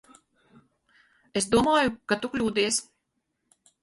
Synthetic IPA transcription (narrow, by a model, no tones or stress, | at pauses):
es̬d̪uɔmaːjukat̪uklʲuːd̪iɛs